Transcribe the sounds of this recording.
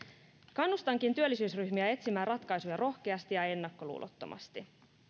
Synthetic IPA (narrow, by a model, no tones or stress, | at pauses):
kɑnːust̪ɑŋkint̪yølːisyːsryçmiæe̞t̪simæːrɑt̪kɑjsujɑɾʔo̞hk̟e̞ɑst̪ijɑe̞nːɑkːo̞lṵːlʔo̰t̪ːo̞̰mʔɑ̰st̪i